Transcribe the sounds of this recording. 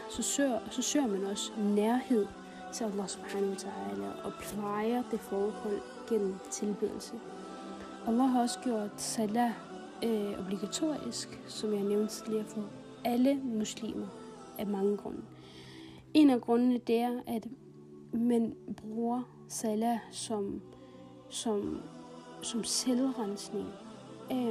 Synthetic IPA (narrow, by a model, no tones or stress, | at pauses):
sɒsɒ̽sø̰ːɐmænɒ̽snæɐhe̝ð̞̰ˠ | t͡sʰe̝lælˠːɑhsob̥hħaːnɐot͡sʰæɑːlæ̰ːʔɒ̽pʰlɑ̈ɪɐd̥e̝fɒːhɔ̽l̰ | ɡ̥en̰m̩t͡sʰe̝lb̥eðˠl̩sə | ʔælˠːɑɦɑ̈ɒ̽sə̥ɡ̥jo̝ɐ̰d̥sælæ | ob̥liɡ̥æt͡sʰo̝̰ːisɡ̥sɒ̽mjɑneʊnd̥sd̥eæfɔ | æləmuslḭːmɐ | ʔæmɑ̈ŋəɡ̥ʁɔ̽nə | ʔe̝næɡ̥ʁɔ̽nənəd̥e̝æɐæd̥ | mænb̥ʁuːɐ | sælæsɒ̽m | sɒm | sɒ̽mselʁansne̝ŋ